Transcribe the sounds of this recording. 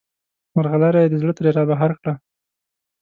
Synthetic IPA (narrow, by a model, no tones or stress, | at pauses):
maɾɣalaɾajed̪əzɽət̪əɾeɾɑbaɦaɾkɽa